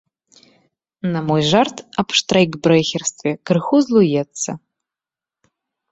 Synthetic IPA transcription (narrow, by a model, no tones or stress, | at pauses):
namojʒartʰapʰʂtʰrajɡbrejxʲerstʰvʲekʰɨrxuzlujɛt͡sʰːɐ̰